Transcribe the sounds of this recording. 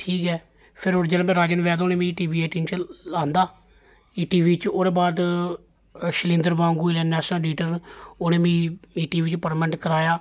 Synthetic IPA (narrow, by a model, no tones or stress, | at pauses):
ʈʰiːkɛː | pʰɪɾoːɾd͡ʒəːlːmɛ̃ːɾaːd͡ʒənʋɛːd̪oːnẽːmĩːʈiːʋiːeːʈiːnt͡ʃlãːnd̪aː | iːʈiːʋiːt͡ʃoːɾeːbaːd̪ | ʃəlɪ̃ːnd̪əɾbãːŋɡuːiːlɛːnɛːsãːɖiːʈəɾoːnẽːmĩːiːʈiːʋiːt͡ʃpəɾmɛ̃ːɳʈkəɾaːjaː